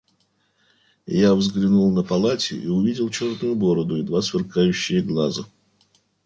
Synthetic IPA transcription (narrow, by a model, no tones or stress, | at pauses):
javzɡlʲɪnulˠnəpɐlˠatʲɪ̰ʔiʊvʲidʲɪlˠt͡ɕo̞rt̪ʊjʊbo̞ɾəd̪ʊid̪vasvʲɪrkajʉɕːɪjəɡlˠazə